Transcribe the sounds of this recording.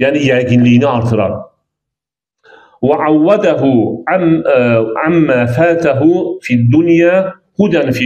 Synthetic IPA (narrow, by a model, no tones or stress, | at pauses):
jaʕnijaɡɪnliːnaʔɑɾˤt̪ɨɾˤɑ̰ | waʕawːad̪aɦʊʕa | ʕamːaːfaːt̪aɦʊfiad̪ːʊnjaːqʊd̪anfi